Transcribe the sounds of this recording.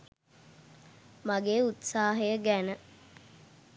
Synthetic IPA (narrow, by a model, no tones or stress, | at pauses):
maɡeːut̪saːɦejəɡænə